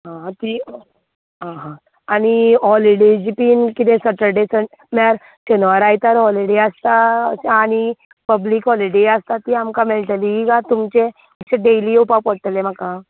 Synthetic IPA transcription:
ɦãt̪i | ɦãɦãː | niɦɔliɖed͡ʑipiːnkit̪̬ẽsəʈəɾɖesə | maɾ | t͡ɕənʋəɾajt̪aɾɦɔliɽeəst̪aːñi | pəbliːkɦɔliɽeəst̪at̪iamkamelʈəliɡat̪umt͡ɕe | iksẽɖejliupapɔɽ̚t̪lem̤aka

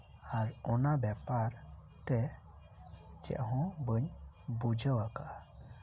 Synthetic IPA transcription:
aɾɔnabapaɾt̪ɛ | t͡ʃɛ̰ʔɦɔ̃bəɲ | bud͡ʒəwaka

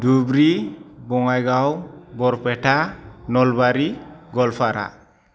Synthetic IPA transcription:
dubɾibɔŋajɡawbɔɾpɛʈʰanɔlbaɾiɡɔlpʰaɾa̰

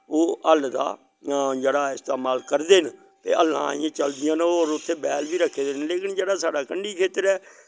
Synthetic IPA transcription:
oːʔəld̪a̰ː | d͡ʒeːɽaːɪst̪eːmaːlkəɾd̪eːn | t̪ḛːʔəlːã̰ːĩːt͡ʃəld̪ɪjãːnoːɾʊt̪ʰːeːbɛːlbiːɾəkʰːeːd̪eːnleːkənd͡ʒeːɽaːsaːɖaːkəɳɖiːkʰeːt̪əɾɛː

